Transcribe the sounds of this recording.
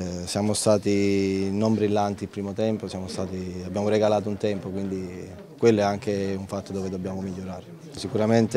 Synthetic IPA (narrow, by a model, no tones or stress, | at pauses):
sjaːmost̪aːt̪inombɾilːant̪ipɾiːmot̪ɛmposjaːmost̪aːt̪iabːjaːmoɾeɡalaːt̪̬ount̪ɛmpokwind̪i | kwelːɛaŋk̟euɱfat̪ːod̪oːved̪obːjaːmomiʎːoɾaːɾe | sikuɾament̪e